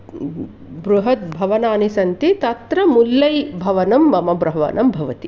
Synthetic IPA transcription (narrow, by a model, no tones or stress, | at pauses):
bɾuɦɐt̪̚bʱɐʋɐnaːnisɐnt̪it̪ɐt̪ɾɐmulːɐjbʱɐʋɐnɐmːɐmɐbɾɐɦɐʋɐ̰nʔɐmbʱɐʋɐt̪i